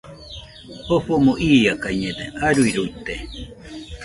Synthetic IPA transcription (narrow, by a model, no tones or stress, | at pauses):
hoɸomoʔiːjakaiɲed̪eaɾuiɾuit̪ːe